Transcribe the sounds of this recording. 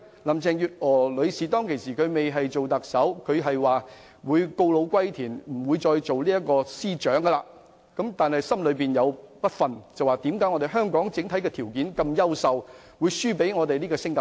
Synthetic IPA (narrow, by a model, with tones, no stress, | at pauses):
lɐ˨˩mt͡sɛː˨ŋjyː˨t̚ɔː˨˩lɵ˨˧ɥsiː˨˩t̪̬ɔː˥ŋkʰe˨˩jsiː˨kʰɵ˨˧ɥme˨jɦɐ˨jt͡ʃo˨wt̪ɐ˨k̚sɐ˨˥wkʰɵ˨˧ɥɦɐ˨jwaː˨ | wuː˨˧jko˧wlo˨˧wkʷɐ˥jt̪ʰiː˨˩nm̩˨˩wuː˨˧jt͡sɔː˧jt͡so˨wliː˥jɐ˥t̚kːɔː˧siː˥t͡ʃœː˨˥ŋɡɐ˧laː˧ | kɐ˨˥mt̪aː˨nhɐ˨jsɐ˥mlɵ˨˧ɥpiː˨njɐ˨˧wpɐ˥t̚fɐ˨nt͡sɐ˨waː˨˩t̪iː˨˥mkaː˨˥jŋɔ˧t̪e˨˩ɦœː˥ŋkɔː˨˥ŋt͡sɪ˨˥ŋt̪ʰɐ˨˥jkɛː˧t̪ʰiː˨˩wkiː˨˥nkɐ˧mjɐ˥wsɐ˨w | wu˨˧jsyː˥pe˨˥jŋɔː˨˧t̪e˨jliː˥ɡɔː˧sɪ˥ŋt̪